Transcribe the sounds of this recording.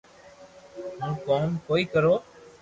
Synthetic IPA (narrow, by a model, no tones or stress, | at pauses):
ɦũːkoːmkoːiːkəɾoː